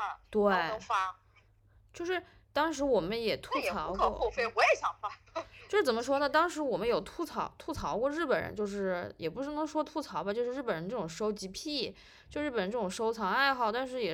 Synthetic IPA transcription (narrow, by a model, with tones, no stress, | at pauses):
t̪we˥˩ɪ˧˩fa˥ | t͡ɕjo˥˧ʊʂɻ̩˥˩ | t̪ɑ˥ŋʂɻ̩˧˥wɔ˨˩mə˦njɛ˨˩t̪ʰu˥t͡sʰɑ˧˥ʊ˧kʰɔ˧˥o˥˧fe˥ɪwɔ˧˥jɛ˧˥ɕjɑ˨˩ŋfa˥t͡ɕt͡ɕjo˥ʊʂɻ̩˥˩t͡sə˨˩mə˦ʂ̬wɔ˥nə˨t̪ɑ˥ŋʂɻ̩˧˥wɔ˨˩mə˦njo˨˩ʊt̪ʰu˥t͡sʰɑ˧˥ʊt̪ʰu˥˩t͡sʰɑ˧˥ʊkwɔ˥˧ɻ̩˥˩pə˨˩nɻə̰˧˥nt͡ɕjo˥˧ʊʂɻ̩˥˩jɛ˨˩pu˧˥ʂɻ̩˥˩nɤ˧˥ŋʂwɔ˥t̪ʰu˥˩t͡sʰɑ˧˥ʊbɐ˧t͡ɕjʂɻ̩˥˧ɻ̩˥˩pə˨˩nɻə˧˦˥nʈ͡ʂɤ˥˩ʈ͡ʂʊ˨˩ŋʂo˥ʊt͡ɕi˧˥pʰi˥˩ | t͡ɕjo˥˧˥ɻ̩˥˩ə˨˩˧ʈ͡ʂɤ˥˩ʈ͡ʂʊ˨˩ŋʂo˥ʊt͡sʰɑ˧˥ŋa˥˧ɪxɑ˥˩ʊt̪a˥˧nʂ̬ɻ̩˥˩jɛ˨˩